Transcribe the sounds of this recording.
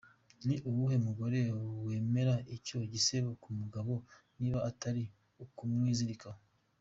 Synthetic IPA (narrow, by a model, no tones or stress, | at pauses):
niʔuβuhe̞muɡo̞ɾewe̞ːme̞ɾaico̞ɟiseβokumuɡaβo̞niːβaataɾi | ukumŋiːziɾikaho